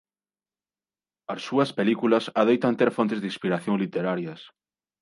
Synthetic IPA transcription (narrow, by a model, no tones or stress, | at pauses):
ɐsːuɐspelikulɐsaðejt̪ɐnt̪eɾfont̪ezðĩspiɾaθjõŋlit̪eɾaɾjɐs